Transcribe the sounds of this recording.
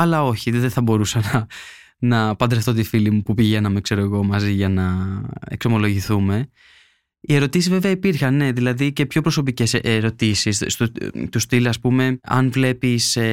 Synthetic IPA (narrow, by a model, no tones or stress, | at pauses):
ɐlɐo̞çiðeθɐbo̞ɾusɐnɐ | nɐpɐd̪ɾeft̪o̞t̪ifilimupupiʝenɐmikse̞ɾoeɣo̞mɐziʝɐnɐe̞̰kso̞mo̞lo̞ʝiθume̞ | ie̞ɾo̞t̪isizve̞veɐipiɾxɐnne̞ðilɐðice̞pço̞pɾo̞so̞p̬ice̞seɾo̞t̪isis | t̪ust̪ilɐspume̞ɐ̰nvle̞pis